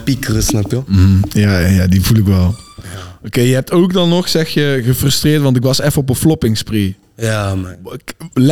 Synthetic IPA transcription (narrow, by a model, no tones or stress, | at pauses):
pikrəsnɔpjojajaːdivulɪkʋɛlˠokeːjəɦɛp̚tokdɑnːɔxsɛxjəɣəfrɵstrɪːrtʋɑnt̬ɪkʋɑsɛfənɔpənflɔpɪŋspri | jakl